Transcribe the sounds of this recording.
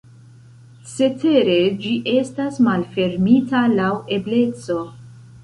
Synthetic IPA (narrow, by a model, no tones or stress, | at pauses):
se̞tʰe̞ɾe̞d͡ʒiʔe̞stasmalfe̞ɾmitalawe̞ble̞t͡so̞